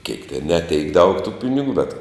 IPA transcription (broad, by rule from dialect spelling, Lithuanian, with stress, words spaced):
kʲɛɪk tʲɛn nʲɛ tʲɛɪk dɐʊk tuː ˈpʲɪnʲɪˌɡʊ bʲɛt